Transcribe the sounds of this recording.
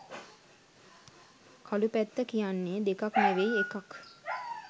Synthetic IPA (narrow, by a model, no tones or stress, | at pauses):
kʰalupæt̪ːəkijanːed̪ekakneʋeiekak